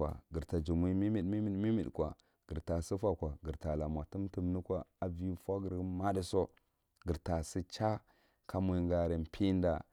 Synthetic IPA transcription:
a̰˨ɡi˨ɾta˨d͡ʒu˨mi˦mi˦mi˨dmi˦mi˦˨mi˦mi˨ɗkʷa̰˨ | ɡ̥i˨ɾta˨si˦fa˦˨kʷa˨ɡi˨ɾta˨la˨mʷ˨a˨tu˦mti˦˨mni˦kʷa˨a˨vi˦fa˦ɡi˨ɾma˦di˦so˦ | ɡi˨ɾta˨si˦t͡ʃa˦ | ka˦mu˦ŋɡa˨ɾe˨m˨pʰi˦n˦da̰˨

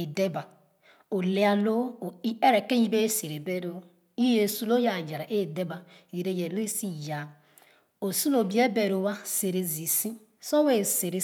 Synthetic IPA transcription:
e˨de˦ba˨ | o˨le˦a˨lo˦o˨i˦e˦ɾe˨ke˦ji˦be˦se˨ɾe˨be˦ɾo˦ | i˦je˨su˦lo˦ja˨d͡ʒa˨ɾa˨ʔe˦˨de˦ba˨ | ɣe˨ɾe˦je˨le˦si˦ja˨ | o˨su˦lo˨bi˦e˦be˨ɾo˨wa˦se˨ɾe˨zi˨si˦ | so˦we˦˨se˨ɾe˨

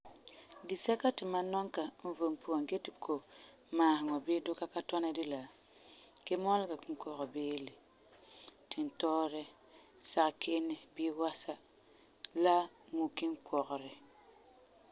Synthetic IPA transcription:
di˨sɛ˦ka˦tɪ˨ma˦nɔ˦ŋka˨m̩˦vo˨mpu˦a˨ŋɡɛ˦tɪ˨kʰo˨ | maː˨ɦɪ˨ŋɔ˨be˦dʊ˦ka˦ka˦tɔ˦na˦dɪ˦la˨ | ke˦mɔ˦lɪ˦ɡa˨kŋ̩˦kɔ˨ɣɔ˨beː˦lɪ˨ | tʰɪ˨n˨tɔː˦ɾɪ˦ | sa˨ʔkʰe˦nɪ˨bɪː˦wa˦sa˦ | la˦ | mu˨kɪ˦ŋkʰɔ˨ɣʊ˨ɾɪ˨

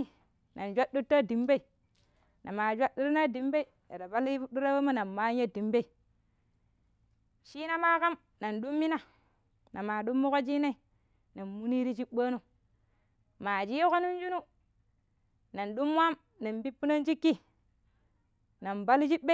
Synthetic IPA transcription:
na˨nd͡ʒʷa˦u˦tːa˦di˨mbe˦i˨ | nʔa˨ma˨d͡ʒʷa˦du˦ɾi˦na˦di˨˦mbe˦i˨ | a̰˨da˨ba˦ldu˦ɾa˦we˦ma˦na˨nma˦nja˦di˨mbe˦i˨ | ʃi˦na˦ma˦ka˦m | na˨nɗu˦mːi˦na˦ | na˨ma˨ɗu˦mːu˦ko˦d͡ʒi˦na˦i˨ | na˨nmu˦ni˦ɾi˦t͡ʃi˦ɓa˦nu˦ | ma˨d͡ʒi˦jko˦nu˦n˦d͡ʒu˦nu˦ | na˨nɗu˦mwa˦m | na˨mbi˦pːu˦na˦nd͡ʒi˦kːi˦ | na˨nba˦lt͡ʃi˦be˦

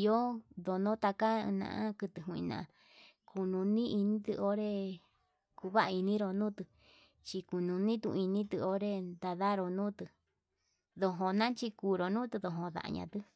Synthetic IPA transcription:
jo˦ðo˨nõ˦t̪a˧kã̰˦˧nã̰˧ʔã˦kɨ˧t̪ɨ˨ɦũ˧˨ḭ̃˧nã̰˧ | kʰu˧nũ˧nĩ˦i˧nĩ˧t̪ɨ˧o˧˦ɾe˦˧ | ku˧βa˦ʔa˧i˧nĩ˦ɾo˧nũː˦t̪ɨ˧ | t͡ʃi˧ku˧nũ˨˧nĩ˦t̪ṵ̃˧i˧nĩ˦t̪ɨ˧o˧˦ɾe˧nd̪a˧ða˦ɾo˧nũː˦t̪ɨ˧ | ðo˧ɦõ˧nã˦t͡ʃi˧ku˧ɾo˨˧nũ˦t̪ɨ˧ðo˧ɦõ˧ða̰˧ʔa̰˧ɲã̰˧t̪ɨ˦

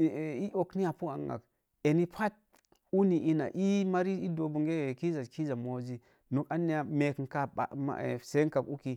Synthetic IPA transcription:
i˦ʔo˨kni˦ja˨pu˦a̰˨ŋːa̰˨k | e˨ni˦pʰa˦t̚ | u˦ni˨ʔi˦na̰˨ʔi˦ma˦ɾi˦i˦do˨bu˨ŋɡe˦˨ki˦za˨ki˦za˨mo˨zi˦ | no˨ka˦ni˦a˨me˨knka˦ba̰˨ma̰˨se˦ŋka˨ku˦ki˨

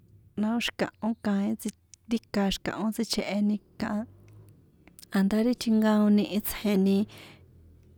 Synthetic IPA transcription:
nã˧õ˦ʃi̥˧kã̰˨ʔõ˦kã˧ĩ˦t͡si˧ | i˦ka˧ʃi̥˧kã̰˨ʔõ˦t͡si˧t͡ʃʰe˧ʔe˧nĩ˧kã˧ʔa˧ | a˨nd̪a˦ɾi˦t̪ʰi˧ŋɡã˧õ˧nĩ˧ʔi˧t͡sʰhe˧nĩ˧

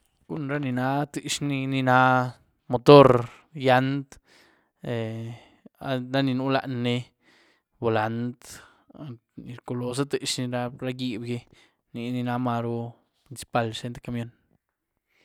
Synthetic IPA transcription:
ɡ̥u˦nɾa˦ni˧na˧t̪i˧ʂni˧ni˧na˧˦ | mo˨˧t̪o˦ɾ | ja˧nd̪ | e˨ | a̰˧ɾa˦ni˧nu˦la̰˧ʔnːe˧ | bo˨la˨˧nt̪ | ni˧ɾko˧lo˧s̬a˦t̪i˧ʂni˧ɾa˧ɾa˦ɡi˧bje˧ | ni˧ni˧na˧ma˧ɾo˧ | pɾinsi̥˧pa˧lse˧nt̪e˧ka˧mjo˧n

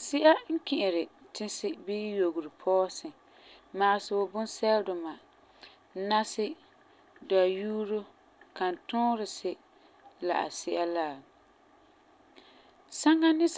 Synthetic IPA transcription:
sɪ˦ʔa˦ŋ̩˦kɪ˨ʔɪ˨ɾɪ˨tɪ˦sɪ˦biː˦jo˨ɡʊ˨ɾɪ˨pʰɔː˦sɪ˨ | ma˨ʔɪ˨sɪ˨ʊ˨bʊ˦n˦sɛ˦ldʊ˨ma˨ | na˦sɪ˦ | da˨juː˦ɾʊ˦ | ka˨n˨tʊ̃ː˦ɾɪ˨sɪ˦ | la̰˨ʔa̰˨sɪ˦ʔa˦laː˦˨ | sa˦ŋa˦nɪ˦s

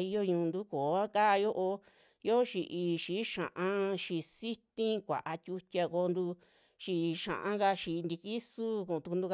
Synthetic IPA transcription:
i˧jo˦˧ɲũ˧nd̪u˦koː˨a˦ka˦˧jo˦ʔo˧ | jo˦o˦ʃi˨˧ʔi˧ʃi˨˦ʃã̰˨ʔã˧ʃi˧si˦t̪ĩ˦kʷa̰˨ʔa˧tʲu˧tʲa˧ko˧nd̪u˧ | ʃi˧ʃã̰˨ʔã̰˧˦ka˧ʃi˧nd̪i˧ki˦su˦kũ˧˨˧t̪u˧ku˧nd̪u˧k

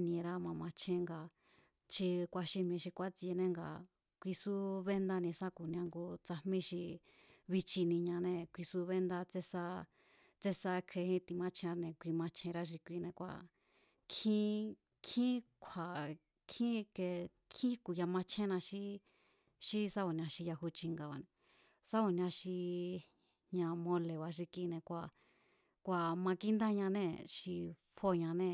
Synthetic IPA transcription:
nĩ˧ɾa˦mã˧mã˧t͡ʃʰẽ˧ŋɡa˨ | ʃi˧kʷa˧ʃi˧mĩ˧ʃi˧kʷa˦t͡si˧e˧nẽ˦ŋɡa̰˨ | kʷi˧su˦βe˦nd̪a˧nĩ˧sã˦ku˨nĩ˧ã˧ŋɡo˧t͡sa˧hmĩ˦˧ʃi˧ | βi˧t͡ʃi˧nĩ˧ɲã˧nẽ˧kʷi˧su˦βe˦nd̪a˧t͡se˦˧sa˦ | t͡se˦sa˧˦˧kʰe˧hĩ˦t̪i˧mã˧t͡ʃʰẽ˧nẽ˨˧kʷi˧mã˧t͡ʃʰẽ˧ɾa˦ʃ̬i˧kʷi˧nẽ˧kʷa̰˧ | kʰĩ˦ | kʰĩ˦kʷʰa˨ | kʰĩ˦ke˧ | kʰĩ˦ku˧ja˧mã˧t͡ʃʰẽ˦˧nã˧ʃi˦ | ʃi˦sa˦o˨nʲ˧ã˧ʃi˧ja˧ɦu˧t͡ʃi˧ŋɡa˧˨βa˧nẽ˧ | sa˦o˨nʲ˧ã˧ʃi˧ | ɲã˧mõ˧le˨βa˧ʃ̬i˧ki˧nẽ˧kʷa˧˨ | kʷa˧˨mã˧ki˦nd̪a˦ɲã˧nẽ˦ʃi˧ | ɸo˦˨ɲã˧nẽ˦˨

